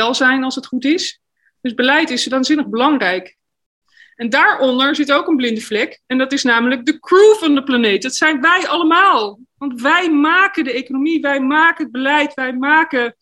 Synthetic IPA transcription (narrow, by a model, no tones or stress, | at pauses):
ɛlˠzɛjnɑlˠsɦətχutɪs | d̥ɵzbəlɛjtɪsʋaːnzɪnəχbəlɑŋrɛjk | ɛndaːɹʔɔndəɹzɪtowkənblɪndəvlɛkɛndɑtɪsnaːmələɡ̚dəkruvɑndəplanejt̚dɑtsɛjnʋɛjʔɑləmaːlˠ | ʋɑntʋɛjmaːkəndəejkonomiʋɛjmaːkəɦəd̚bəlɛjtʋɛjmaːkə